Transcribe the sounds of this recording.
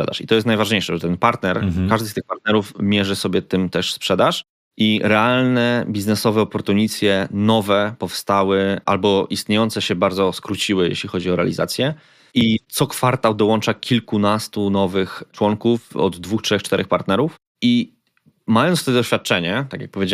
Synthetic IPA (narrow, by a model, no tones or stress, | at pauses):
ʂɛd̪a̰ʂit̪ɔjɛst̪najvaʐɲejʂɛʐɛt̪ɛnpaɾt̪nɛɾkaʐd̪ɘst̪ɘxpaɾt̪nɛɾufmʲjɛʐɘsɔbʲjɛt̪ɘmt̪ɛʂspʂɛd̪aʂ | ʔiɾɛalnɛbʲiznɛsɔvɛɔpɔɾt̪uɲit̪sʲjɛnɔvɛpɔfst̪awɘʔa̰lbɔʔist̪ɲejɔnt̪sɛɕɛbaɾd̪zɔskɾut͡ɕiwɘjḛɕlʲixɔd͡ʑiɔɾɛa̰lʲiza̰t̪sʲjɛ | it̪sɔkfaɾt̪awd̪ɔwɔnt͡ʂakʲilkunast̪unɔvɘxt͡ʂwɔŋkufɔ̰d̪ːvuxtʂɛxt͡ʂt̪ɛɾʔɛxpaɾt̪nɛɾuf | i | majɔnt̪t̪ɔɛd̪ɔɕfʲat̪̚t͡ʂɛɲɛt̪akʲja̰k̚pɔvʲjed͡ʑa